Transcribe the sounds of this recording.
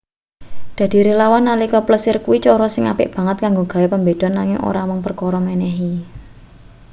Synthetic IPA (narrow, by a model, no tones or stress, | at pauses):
d̪̥ä̤d̪̥i̤ɾelawanːalikɔpləsɪrkuwit͡ʃɔɾɔsɪŋa̰pɪ̰ʔb̥ä̤ŋət̪̚kaŋɡoɡ̥a̤wepəmbed̪̥ɔ̤nːaŋɪ̰ŋʔo̰ɾamɔŋpərkɔɾɔmɛnɛɦi